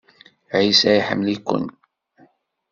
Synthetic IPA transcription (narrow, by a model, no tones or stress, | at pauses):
ʕisæjħə̰mːlikʷːʊ̰n